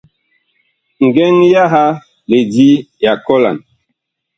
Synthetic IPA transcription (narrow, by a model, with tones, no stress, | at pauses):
ŋ̩˨ɡɛ˦ŋja˦ɦa˦ | le˨di˦ja˨kɔ˦la̰˨n